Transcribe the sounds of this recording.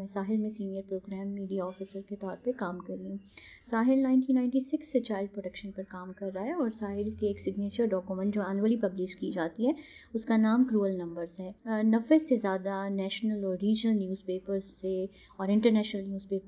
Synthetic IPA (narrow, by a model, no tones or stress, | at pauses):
ɛ̃ːsaːɦɪlmẽsiːnijəɾpɾoːɡɾɛːmːiːɖijaɔːfisəɾket̪ɔːɾpekaːmkɐɾiũ | saːɦɪlnãːɪ̃nʈiːnːãːɪ̃ɳʈisɪksːet͡ʃaːɪlɖ̚pɾoːʈɐkʃə̃npɐɾkaːmkɐɾːaaɦɛɔːɾsaːɦɪlkeeːksɪɡneːt͡ʃəɾɖɔːkjumə̃ɳʈd͡ʒoːɛːnuəlipɐblɪʃkid͡ʒaːt̪iɦɛː | ʊskanaːmkɾuːəlnɐ̃mbəɾzɦɛːnɐʋːesezjaːd̪anɛːʃnəlɔːɾːiːd͡ʒnəlnjuːzpeːpəɾzse | ɔːɾɪ̃ɳʈəɾnɛːʃnəlnjuːzpeːp